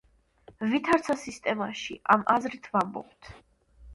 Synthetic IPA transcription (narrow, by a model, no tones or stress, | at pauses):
vit̪ʰaɾt̪sʰasist̪ʼɛmaʃḭʔamʔazɾit̪ʰvambɔ̰p̚t̪ʰ